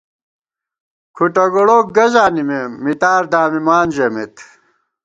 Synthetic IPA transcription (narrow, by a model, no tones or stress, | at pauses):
kʰuʈɐɡoɽoːk̚ɡɐzaːnimemit̪aːɾd̪aːmimaːnd͡ʑemet̪